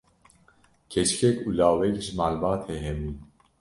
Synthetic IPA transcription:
kʰɛt͡ʃkʰɛkuːlaːwɛkiʃmaːlbɑːt̪hɛɦɛmi

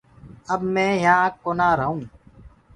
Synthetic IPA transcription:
əbmẽːjãːkoːnaːɾəɦũː

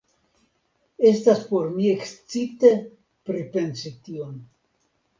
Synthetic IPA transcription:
e̞staspo̞ɾmiekst͡sit̪e | pɾipe̞nsition

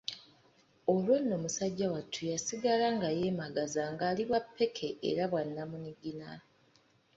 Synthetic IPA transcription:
o̞lwenːo̞musaɟːawatʰːujasiɡalaŋɡaje̞ːmaɡazaŋɡaːliβwapʰːe̞kʰe̞ʔḛɾaβwanːamuniɡina

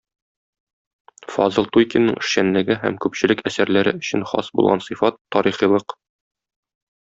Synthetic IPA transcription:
fɒ̰zɤlˠt̪ujkʲɪnːɤŋɘ̆ʃɕænlɘ̆ɡɘɦæ̰mkʉpɕɘ̆lɘkæsæɾlæɾɘɵ̆ɕɘ̆nχɒ̰sbṵlˠʁɑnsifɑt̪ʰːɒɾiχijlˠɤq

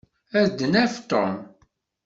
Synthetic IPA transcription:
æðd̪ənæft̪o̰m

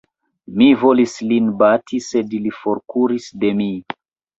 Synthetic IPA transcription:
mivo̞lislinbatʰise̞dilifo̞ɾkuɾisde̞mi

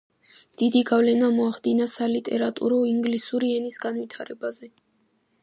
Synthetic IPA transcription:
d̪̥id̪iɡavlɛnamɔaχd̪inasalit̪ʼɛɾat̪ʼṵɾɔiŋɡlisuɾiɛnisɡanwit̪ʰaɾɛbazɛ

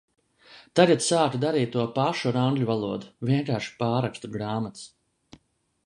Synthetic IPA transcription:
t̪aɡat̪saːkud̪aɾiːt̪̚ːuɔpaʃuɾaŋɡlʲuvalˠuɔd̪uvʲiɛŋkaːɾʃi̥paːɾakst̪uɾɡɾaːmat̪s

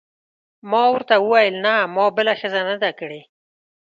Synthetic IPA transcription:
mɑwəɾt̪awəwajəlnamɑbəlaxəzanəd̪akəɽe

